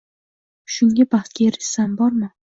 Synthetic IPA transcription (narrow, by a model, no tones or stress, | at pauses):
ʃʊŋɡʲabaχt̪̚kʲaɾɪʃsambɒɾmɪ